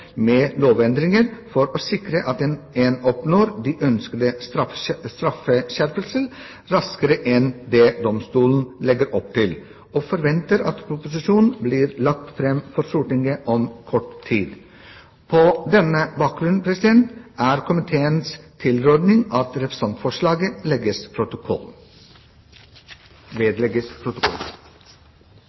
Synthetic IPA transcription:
meːloːʋɛnd̪ɾɪŋəɾfɔɾoːsɪkɾəʔɑt̪ɛn | eːnɔpnoːɾd̪iːʔœnskəd̪əsɾɑfst̪ɾɑfəɕæɾpəlsəl | ɾɑskəɾəʔɛnd̪ɛd̪ɔmst̪uːln̩lɛɡəɾʔɔpːt̪ʰɪl | oːfɔɾʋɛnt̪əɾɑ̰t̪pʰɾʊpʊsɪʂuːnn̩bliːɾlɑk̚t̪fɾɛmːfɔɾsuːʈɪŋɡəʔɔmkʰɔʈt̪ʰːiːd̪ | pʰɔd̪ɛnːəbɑːk̚ɡɾʉnnpʰɾɛsɪd̪ɛnt̪æɾkʰʊmɪt̪ʰeːənst̪ʰɪlɾod̪nɪŋɑt̪ɾɛpɾəsɑnt̪fɔʂɭɑːɡəlɛɡəspʰɾʊt̪ | ʋeːd̪lɛɡəspʰɾʊt̪ʊkʰɔ̰l

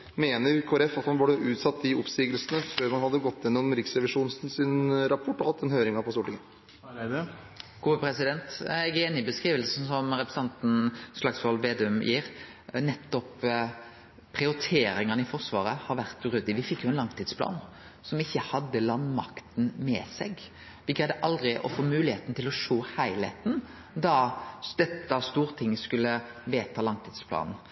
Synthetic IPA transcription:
meːnəɾkʰoːɛɾɛfɑt̪hɑnʋɑɖɛʔʉːt̪sɑt̪ːd̪ɪʊpsiːɡəlsənəføːɾmɑnhɑd̪ːəɡɔt̪ːɪɛnːɔmmɾɪksɾɛʋɪʂuːnsn̩sɪnɾɑpʰɔʈːɔhɑt̪ːɛnhøːɾɪŋɑpɔst̪uːʈɪŋ | ɡ̥uːəpʰɾɛsɪd̪ɛnt̪ɛɡɛnɪbəskɾiːʋəlsn̩sɔmɾɛpɾəsɑnt̪n̩ʂlɑɡsfɔɾhɔlʋeːd̪ɛʉmjiːɾ | nɛt̪ːɔp | pʰɾɪʊɾɪt̪ʰeːɾɪŋənɪfɔʁsʋɑ̰ːɾəhɑɾʋæʁt̪ʉɾʉd̪ːɪʋɪfɪkːjʊɛnlɑŋt̪ʰiːd̪spʰlɑ̰ːn | sɔmɪçːəhɑd̪ːəlɑnmɑ̰kt̪n̩mɛ̰sɛɡ | ʋɪɡɾæɪd̪əʔɑld̪ɾɪʔɔ̰foːmʉːlɪheːt̪n̩t̪ʰɪlɔʂoːhæɪlheːt̪n̩ | d̪ɑd̪̥ɛt̪ːəst̪uːɾt̪ʰɪŋːskʉlːəʋeːt̪ʰɑːlɑŋt̪ʰiːd̪spʰlɑ̰ːnn̩

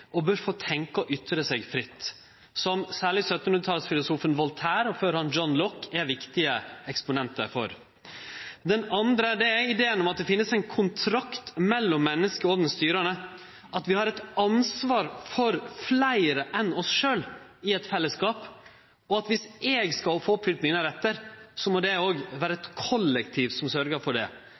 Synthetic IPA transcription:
ɔbøɾfoːt̪ʰɛŋkɔʔʏt̪ɾəsɛːɡfɾɪt̪ː | sɔmsæːɭɪsœt̪ənhʉnət̪ʰɑləsfɪlʊsuːfənʋɔlt̪ʰæːɾɔføːɾhɑnd͡ʒɔnlɔkːɛɾʋɪkt̪ɪəɛkspʊnɛnt̪ə̰ɾfɔ̰ɾ | d̪ɛnɑnd̪ɾəæɖɛæɪɪd̪eːənɔmɑt̪̚d̪ɛfɪnːəsæɪnkʰʊnt̪ʰɾɑkt̪mɛlːɔmːɛnːəskəɔːɡ̪nst̪yːɾənə | ʔɑt̪ʋɪhɑɾɛt̪ɑnsʋɑːɾfɔɾflæɪɾəʔɛnɔsʂøːl | ɪɛt̪fɛlːəskɑːp | ɔɑt̪ʋɪsɛːɡskɑfoːɔpfʏlt̪nɪŋəəɾɛt̪ːəɾsɔmɔd̪ɛoːɡʋæːɾəɛt̪kʰɔlːɛkt̪ʰiːʋsɔmsœɾɡəɾfɔɖɛ̰

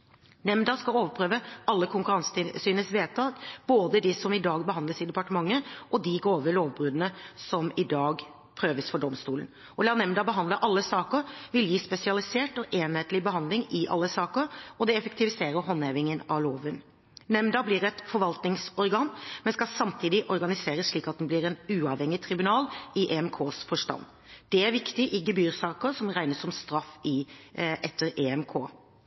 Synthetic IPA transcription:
nɛmd̪ɑskɑloːʋəpʰɾøːʋəɑlːəkʰʊŋkʉɾɑnsə̥t̪ɪlsyːnəsʋeːt̪ʰɑːɡb̥oːd̪əd̪ɪsɔmɪd̪ɑːɡ̚bəhɑnd̪əsɪd̪ɛpɑʈəmɑŋːəʔɔd̪ɪɡɾoːʋəloːʋbɾʉːd̪ənəsɔmɪd̪ɑːɡ | pʰɾøːʋəsfɔɖɔmst̪uːlən̩ | ɔlɑːnɛmd̪ɑbəɦɑnd̪ləʔɑlːəsɑːkəɾʋɪljiːspɛsɪɑlɪseːʈɔʔeːnheːt̪lɪbəɦɑnd̪lɪŋɪʔɑ̰lːəsɑːkəɾɔd̪ɛɛfɛkt̪ɪʋɪseːɾəɾɦɔnheːʋɪŋənɑʋloːʋən | nɛmd̪ɑblɪːɾɛt̪fɔɾʋɑlt̪nɪŋsɔɾɡɑnmɛnskɑsɑmt̪ʰiːd̪ɪʔɔɾɡɑnɪseːɾəsʂɭiːkɑt̪̚d̪nblɪɾɛnʉːɑʋhɛŋːɪt̪ʰɾɪbʉnɑːlɪʔeːɛmkʰoːsfɔʂʈɑ̰nː | d̪̥ɛæɾʋɪkt̪ɪʔɪɡəbyːɾsɑːkəɾsɔmɾæɪnəsɔmst̪ɾɑfːɪʔɛt̪ːəɾeɛmkʰo̰ː

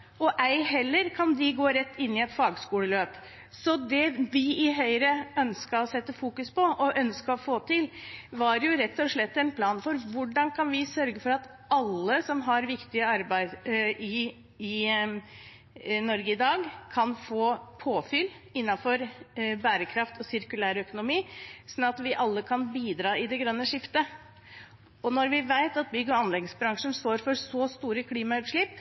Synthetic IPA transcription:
ɔʔæɪɦɛlːəɾkʰɑnd̪ɪɡoːɾɛt̪ːɪnːɪɛt̪fɑːɡskuːləløːp | sɔd̪ɛʋɪɪɦœʏɾəœnskəɾɔsɛt̪ːəfuːkʉspɔʔɔʔœnskəɔfoːt̪ʰɪlʋɑɾjʊɾɛt̪ːɔʂɭɛt̪ːɛnpʰlɑːnfɔɾʋʊɖɑnkʰɑnʋɪsœɾɡəfɔɾɑt̪ | ɑlːəsɔmɦɑɾʋɪkt̪ɪəɑɾbæɪd̪ɪ | ɪ | nɔɾɡəɪd̪ɑːɡkʰɑnfoːpʰoːfʏl | ɪnːɑfɔɾbæːɾəkʰɾɑft̪ʰɔsɪɾkʉlæːɾəœkʊnʊmiːsɔnːɑt̪ʋɪʔɑlːəkʰɑnbiːd̪ɾɑːɪd̪ɛɡɾœnːəʂɪft̪ə | ɔnɔɾʋɪʋæɪt̪ɑt̪̚bʏɡːɔɑnlɛɡnəsbɾɑŋʂənst̪oːɾfɔɾsɔst̪uːɾəkʰliːmɑʉt̪ʂɭɪp

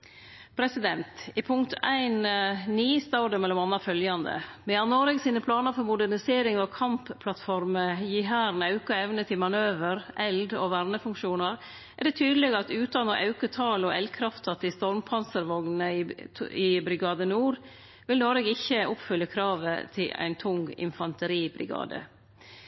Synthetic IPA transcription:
pʰɾɛsɪd̪ɛnt̪ɪpʰʊŋkt̪ʰæɪnniːst̪ɑd̪əmɛlːɔmɑnːɑfœljɑnd̪ə̰mɛjɑnoːɾɛɡsiːnəpʰlɑːnəfɔɾmʊd̪æɾnɪseːɾɪŋɔkʰɑmppʰlɑt̪fɔɾməjiɦæːɾnɑʉkɑɛʋnət̪ʰɪlmɑnøːʋəɾʔɛld̪ɔ̰ʋæɾnəfʉŋkʂuːnəɾ | ʔɛɖɛt̪ʰyːd̪əlɛɡɑt̪ʉːt̪ɑnɔʔɑʉkət̪ʰɑːlɔʔɛlkʰɾɑft̪ʰɑt̪ʰːɪst̪ɔɾmpʰɑnsəɾʋɔɡnəɪɪbɾɪɡɑːd̪ənuːɾ | ʋɪlnɔɾɛɡɪçːəʔʊpfʏlːəkʰɾɑːʋə̰t̪ʰɪlæ̰ɪnt̪ʰʊŋɪ̰nfɑnt̪əɾiːbɾɪ̰ɡɑ̰ːd̪ə̰

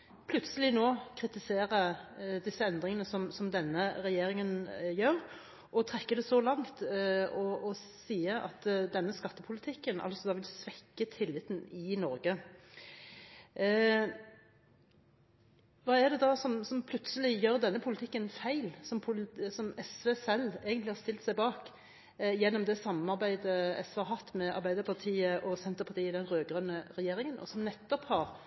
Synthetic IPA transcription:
pʰlʉt̪səlɪnoːkʰʁɪt̪ɪseːʁəd̪ɪsəɛnd̪ʁɪŋənəsɔmsɔmd̪ɛnːəɾɛjeːɾɪŋənjøːɾ | ʔɔt̪ʰʁɛkːəd̪ɛsɔlɑŋt̪ɔɔ | siːəʔɑ̰t̪d̪ɛnːəskɑt̪ːəpʰʊlɪt̪ʰɪkːənʔɑ̰lsɔd̪ɑːʋɪlsʋɛkːət̪ʰɪlːɪt̪ːn̩ɪnɔɾɡə | ʋɑːɛd̪ɛd̪ɑsɔmsɔmpʰlʉt̪səlɪjøːɾd̪ɛnːəpʰʊlɪt̪ʰɪkːənfæɪlsɔmpʰʊsɔmɛsʋeːsɛleːɡənt̪lɪhɑɾst̪ɪlt̪sæɪbɑːk | jɛnːɔmd̪ɛsɑmːnɑʁbæɪd̪əɛ̰sʋɛhɑɾɦɑt̪ːmɛɑ̰ʁbæɪd̪əɾpʰɑʁt̪ʰiːəʔɔsɛnt̪əɾpʰɑt̪iːəɪd̪ɛnɾøːɡʁœnːəɾɛjeːɾɪŋənʔɔ̰sɔmnɛt̪ːɔphɑʁ

